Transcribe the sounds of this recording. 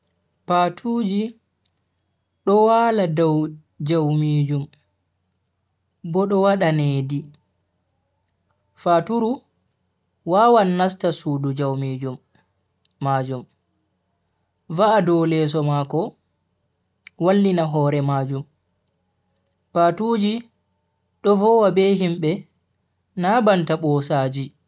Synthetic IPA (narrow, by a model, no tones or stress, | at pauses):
patʰuːd͡ʒi | ɗɔwaːladaw | d͡ʒawmiːd͡ʒum | bɔɗɔwaɗaneːdi | fatuɾu | waːwanːas̬tasuːdud͡ʒawmid͡ʒumː | aːd͡ʒum | vaadɔwlɛs̬ɔmakɔ | walːinaɦɔɾɛmaːd͡ʒum | patuːd͡ʒi | ɗɔvɔːwabɛɦimɓɛ | nabantaɓɔsaːd͡ʒi